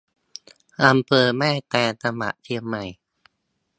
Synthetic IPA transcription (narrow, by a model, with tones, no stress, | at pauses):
ʔa˧mpʰɤː˧mɛː˥˩jt̪ɛː˧nt̪a˧ma̰˨˩ʔt̪ʰi˥˩əmːa˧˥˩j